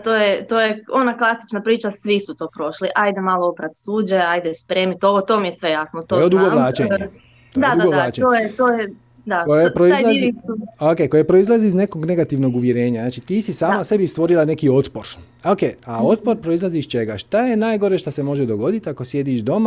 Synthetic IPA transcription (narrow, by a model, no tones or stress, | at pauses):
t̪oːjet̪oːjeonaklˠasi̥t͡ʃnapɾiːt͡ʃasʋisut̪o̞ːpɾo̞ʃliʔajd̪emalˠoopɾat̪suːd͡ʑaajd̪espɾeːmit̪o̞ʋot̪o̞ːmijesʋejasnot̪ojeod̪uɡoʋlˠaːt͡ʃeɲe | od̪ad̪uauɡod̪lˠaːt͡ʃeojet̪oːje | d̪akojepɾoialˠa | okeːkojepɾoizlˠaziːzne̞ko̞ɡne̞ɡat̪iʋno̞ɡuʋjeɾe̞ːɲaznaːt͡ʃit̪iːsisaːmase̞bist̪ʋo̞ɾilˠane̞kio̞t̪po̞ɾ | okeao̞t̪̚po̞ɾpɾo̞izlˠaziːst͡ʃe̞ɡaʃt̪ajenaːjɡo̞ɾe̞ʃt̪asemo̞ʒed̪o̞ɡo̞d̪it̪ako̞sje̞d̪iʃd̪o̞ma